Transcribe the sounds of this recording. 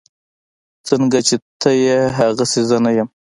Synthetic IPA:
t͡səŋɡat͡ʃet̪ʰəjeɦaɣasezanajam

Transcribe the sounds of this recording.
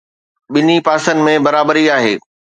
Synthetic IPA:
ɓɪnipaːsən̆mẽbɐɾaːbəɾiaːɦḛː

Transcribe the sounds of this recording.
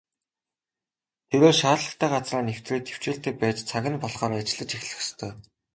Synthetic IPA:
t̪ʰeɾoːʃaːtɮə̆t̪ʰæːɢat͡sraːnew̥t̪reːk̚t̪ʰe̥w̥t͡ɕeːɬt̪eːpæːt͡ɕt͡sʰaɣʲɪ̆npɔɮχɔːɾat͡ɕɪ̆ɮə̆t͡ɕixʲɮɘ̆xst̪ʰœː

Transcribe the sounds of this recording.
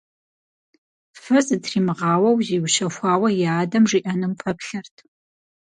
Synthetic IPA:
fɐzɨtʰriːmɨʁɑːwɐwziːwʃɐxʷɑːwɐjaːdɐmʐiːʔɐnɨmfʰɐpɬɐrtʰ

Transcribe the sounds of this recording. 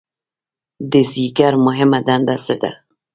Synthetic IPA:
d̪ɪziɡaɾmʊɦɪmad̪and̪ased̪a̰

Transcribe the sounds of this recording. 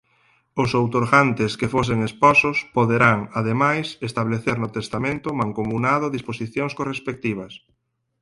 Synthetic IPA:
ʊsowt̪oɾɣant̪eskefos̬eŋespɔsʊspoðeɾaŋaðemajsest̪aβleθeɾnʊt̪est̪amẽnt̪ʊmãŋkomunaðʊaðisposiθjoŋskorespek̚t̪iβ̞ɐs

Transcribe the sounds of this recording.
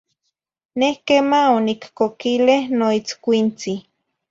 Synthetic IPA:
nehkemaonikkokilehnoit͡skʷint͡si

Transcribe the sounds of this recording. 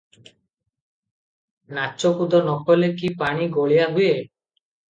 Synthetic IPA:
nat͡ʃːokud̪ɔnɔkɔlekipaɽ̃iɡoɭijaɦuje

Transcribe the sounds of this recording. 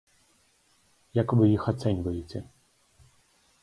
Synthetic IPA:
jakvɨjixat̪sɛnʲvɐjet͡sʲɛ

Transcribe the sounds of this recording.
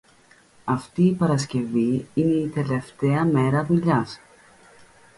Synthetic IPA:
ɐft̪iːpɐɾɐsce̞viine̞it̪e̞le̞ft̪e̞ɐme̞ɾɐviʎɐs

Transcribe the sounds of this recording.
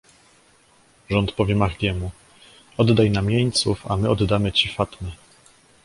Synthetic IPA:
ʐɔnt̪pɔvʲɛmaɣd̪ʲjɛmu | ɔd̪d̪ajnamʲjeɲt̪sufa̰mɘɔd̪d̪amɘt͡ɕifat̪mʲɘ

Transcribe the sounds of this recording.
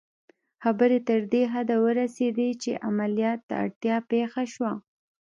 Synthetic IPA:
xabəɾet̪əɾd̪eɦad̪awəɾased̪et͡ʃeʔamalijɑt̪ːa̰a̰ɽt̪jɑpexaʃwa

